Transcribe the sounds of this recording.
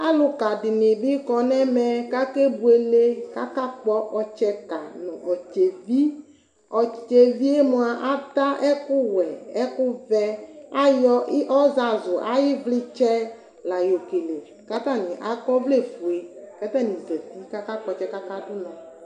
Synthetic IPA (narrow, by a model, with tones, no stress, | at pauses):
a˦lʊ˨ka˨dɪ˨nɪ̃˨bɪ˦kɔ˨nɛ˦mɛ˦ka˦ke˦bu˨e˨le˦ka˦ka˦k͡pɔ˦ʔɔ˨t͡ʃɛ˦ka˨nɔ̃˨ʔɔ˨t͡ʃe˨vi˦ | ɔ˨t͡ʃe˨vi˦e˦mʊ˨˦a˨ʔa˦t̪a˦ʔɛ˦kʊ˦wɛ˨ɛ˦kʊ˦vɛ˦a˦jɔ˦ʔɔ˦za˨zʊ˨ʔa˦jɪ˦vlɪ˦t͡ʃɛ˦ | la˨jo˨ke˨le˨ | ka˦t̪a˦˨nɪ̃˨ʔa˨kɔ˦vle˦˨fu˨e˨kɛ˦t̪ɛ˦˨nĩ˨zɛ˨ti˦ka˦ka˦k͡pɔ˦t͡ʃɛ˦ka˦ka˦dʊ˦nɔ̃˨